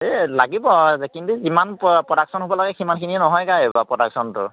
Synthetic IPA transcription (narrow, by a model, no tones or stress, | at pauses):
elaɡibɔzɛkintuzimanppɹɔdaksɔnɦobɔlaɡɛkʰimankʰiniɛnɔɦɔjkajbapɹɔdaksɔntʊ̰